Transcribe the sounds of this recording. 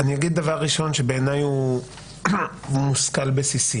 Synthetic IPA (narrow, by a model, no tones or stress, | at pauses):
anijaɡid̪̚ːavaʁːiʃo̞nʃe̞beːnaju | muskalbesisi